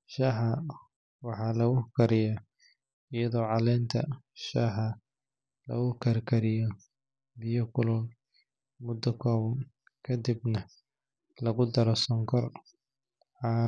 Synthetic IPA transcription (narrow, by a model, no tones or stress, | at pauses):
ʃɐɦɐ | wɑħɑːlɐɣʊkʰɐɾɪjɐ | ɪjɐðɔːʕɑlɛːnt̪ʰɐ̰ʃaɦɐ | lɐ̰ɣʊkʰɐrkʰɐɾɪjɔ | bɪjɔkʰʊlʊn | mʊd̪ːɐkʰɔːβɐn | kʰɐd̪ibnɐ | lɐɣʊd̪ɐɾɔsɔŋkʰɔr | ʕɑː